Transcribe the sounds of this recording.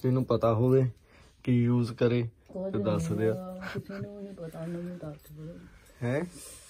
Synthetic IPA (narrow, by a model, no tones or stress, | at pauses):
t̪ɪnũːpət̪aːɦoːʋeː | kɪjuːzkəɾeːt̪eːd̪əɾsd̪eaː | hɛ̃ː